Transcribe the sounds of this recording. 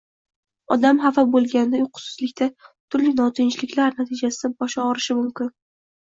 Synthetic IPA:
ɒd̪amhafabolˠɡʲanɪd̪ajʊqʰʊ̥sʊ̥zlɪkʲt̪ʰat̪ʰʊɾlɪnɒt̪ʰɪnt͡ʃʰɪlɪkʲlaɾnat̪ʰɪd͡ʒasɪd̪abɒʃɒɒɾɪʃɪmʊmkʲɪn

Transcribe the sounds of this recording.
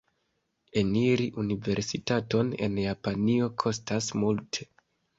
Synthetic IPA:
e̞niɾiʔunive̞ɾsitato̞ne̞̰njapanio̞kʰo̞stasmultʰe̞̥

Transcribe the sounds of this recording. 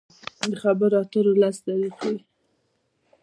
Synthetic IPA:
d̪əxabəɾat̪əɾolasd̪aɾiqwi

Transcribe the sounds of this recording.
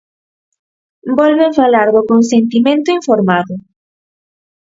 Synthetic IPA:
bɔlβẽɱfalaɾðʊkonsent̪imẽnt̪ʊiɱfoɾmaðʊ

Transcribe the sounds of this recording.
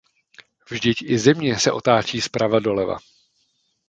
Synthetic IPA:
vʒdɪcɪzɛmɲɛsɛʔo̞t̪aːt͡ʃiːspɾavado̞lɛva̰

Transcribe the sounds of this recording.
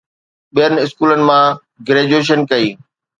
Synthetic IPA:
ɓijənɪ̆ɪskuːlənɪ̆mã | ɡɾeːd͡ʑueːʃ̬ənkɐiː

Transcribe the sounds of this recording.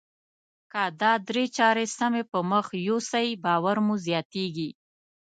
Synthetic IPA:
kad̪ɑd̪ɾet͡ʃɑɾesamepəməxjosajbɑwaɾmuzjɑt̪eɡi

